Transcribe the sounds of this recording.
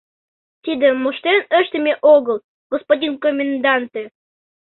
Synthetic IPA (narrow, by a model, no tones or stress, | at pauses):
t̪ʲid̪ʲĕmoʃt̪enə̆ʃt̪ʲə̆mʲeʔoɡə̆lˠ | ɡ̥ospodʲinkomʲend̪ɑnt̪e